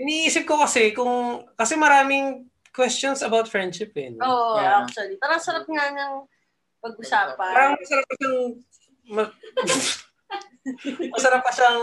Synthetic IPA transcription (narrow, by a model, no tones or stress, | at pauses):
ʔɪniʔiːsɪp̚kokɐsɛkʊŋkɐsɛmɐɾaːmɪŋ | kwɛst͡ʃonsɐbawt̪̚fɹɛnd̪ʃɪpɛnoʔak̚t͡ʃuɐlipaːɾɐŋsɐɾap̚ŋaɲɐŋ | pɐɡ̚ʊsaːpaaːɾɐŋmɐsɐɾap̚ːɐʃaŋ | mɐ | mɐsɐɾapːɐʃaŋ